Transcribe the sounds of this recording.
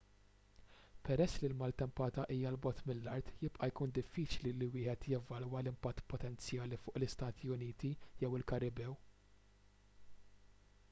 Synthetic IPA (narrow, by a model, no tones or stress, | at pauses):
pɛɾɛsːlilmɐlt̪ɛmpɐːt̪ɐʔiːjɐlbɔt̪mɪlːɐɾt̪jɪpʼʔɐjkuːnd̪ɪfːiːt͡ʃliliwɪːħɛt̪jɛvɐlwɐlɪmpɐt̪ːpɔt̪ɛnt͡sjɐːlifʊːʔlɪst̪ɐːt̪ʰiʊniːt̪ijɛwɪlkɐɾɪbɛw